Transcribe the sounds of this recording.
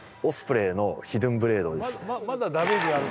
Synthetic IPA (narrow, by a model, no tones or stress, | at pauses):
osɨ̥pɯ̟ɾe̞ːno̞çid̪ɯ̟̃mbɯ̟ɾe̞ːd̪o̞d̪esɨnad̪abeɡ̪ea